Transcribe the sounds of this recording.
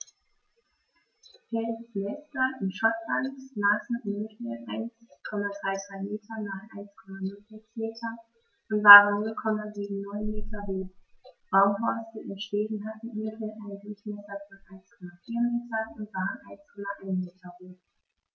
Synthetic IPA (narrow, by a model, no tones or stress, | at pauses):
fɛlsmɛstɐʔɪnʃɔtbanzaːsn̩ʔɪnɪçɛʔaɪnskʰɔmadʁaɪdʁaɪmeːtʰɐnaːχʔa̰ɪnskʰɔmanʊlfʰɛsmeːtʰɐ | ʔʊntv̥aːʁənːʊlkʰɔmaziːɡm̩nɔʏnmeːtʰɐveːb̥aʊmɦɔɐstəʔɪʃteːdn̩ɦatn̩ʔɪnəfɛʔaɪnədʊçmɛsɐfɔnʔaɪnskʰɔmafiːɐmeːtɐʊntv̥aːʁənʔaɪnskʰɔmaʔaɪnmeːtʰɐʁuː